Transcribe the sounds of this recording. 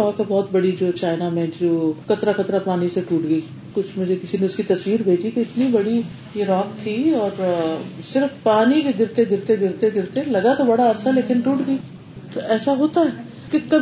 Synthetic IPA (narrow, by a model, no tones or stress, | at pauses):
ɔːkɛbɔːt̪bɐɽid͡ʒoːt͡ʃaːɪnamɛ̃ːd͡ʒd͡ʒoːkɐt̪ɾakɐt̪ɾapaːniseʈuːʈɡɐiː | kʊt͡ʃʰmʊd͡ʒʱekɪsinẽʊskit̪ɐswiːɾbʱeːd͡ʒikeɪt̪nibɐɽi | jeɾɔːk̚t̪ʰiɔːɾsɪɾfpaːnikeɡɪɾt̪eɡɪɾt̪eɡɪɾt̪eɡɪɾt̪ẽlɐɡat̪obɐɽaɐɾsaleːkɪnʈuːʈɡɐi | t̪oɛːsaɦoːt̪aɦɛː | kekɐ